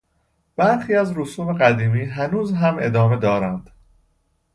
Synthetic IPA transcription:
b̥æɾxiːæzɾosuːme̞ɣæd̪iːmiːɦænuːzɦæme̞d̪ɒːme̞d̪ɒːɾænd̪̥

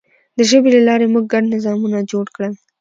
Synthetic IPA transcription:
d̪əʒəbelalɑɾemuɡ̚ːaɖnɪzɑmunad͡ʒoɽkɽəl

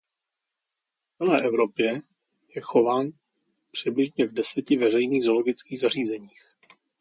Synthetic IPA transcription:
t͡sɛlɛːʔɛvɾo̞pjɛ | jɛxo̞vaːn | pr̥ɪblɪʒɲɛvdɛsɛcɪvɛr̝ɛjniːɣzo̞lo̞ɡɪt͡skiːɣzar̝iːzɛɲiːx

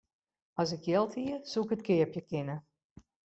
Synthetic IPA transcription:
ɔsɪkjɛlˠtiəsukətkɪəpjəkɪnə

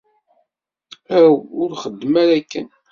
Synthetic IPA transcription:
æwʊɾχəd̪ːəmæɾækːæn

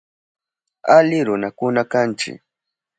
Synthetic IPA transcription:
alɪɾʊnakʊnakant͡ʃɪ̰k

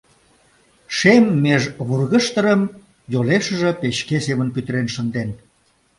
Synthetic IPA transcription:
ʃemːeʒβurɣəʃt̪əɾəm | joleʃə̆ʒə̆peɕkesemənpyt̪əɾenʃənd̪en

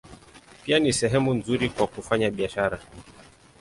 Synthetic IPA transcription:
pianisɛɦɛmunzuɾikwakufaɲaɓiaʃaɾa

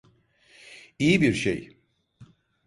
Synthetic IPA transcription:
ijibiɾʃḛj

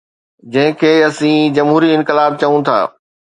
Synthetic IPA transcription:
d͡ʑɐ̃ɦɪ̃kʰeːɐsĩːd͡ʑɐmɦuːɾiɪ̃nkɪlaːb̚t͡ɕɐũt̪ʰa̰ː

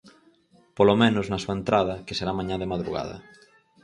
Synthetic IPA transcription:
polomẽnʊznɐsuɐent̪ɾað̞ɐkeseɾamãɲaðemaðɾṵɣa̰ðɐ̰

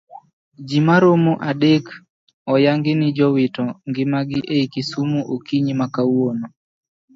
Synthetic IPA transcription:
d͡ʒimaɾomuʔadek | ɔjaŋɡɪnɪd͡ʒɔwɪtɔŋɡɪmaɡɪʔeikisumuʔokiɲimakawono

